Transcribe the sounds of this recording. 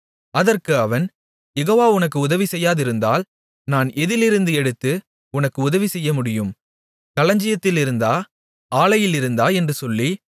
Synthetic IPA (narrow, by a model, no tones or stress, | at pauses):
ɐðɐrkɯɐʋɐn | jɛɣoːʋaːʊnɐkːɯʊðɐʋisɛjːaːðɪɾɯnd̪a̰ːl | naːnɛðɪlɪɾɯnd̪ɯɛɽɯt̪ːɯ | ʊnɐkːɯʊðɐʋisɛjːɐmʊɽɪjɯm | kɐlɐɲd͡ʒɪjɐt̪ːɪlɪɾɯnd̪aː | aːlɐjɪlɪɾɯnd̪aːɛndrɯsɔlːi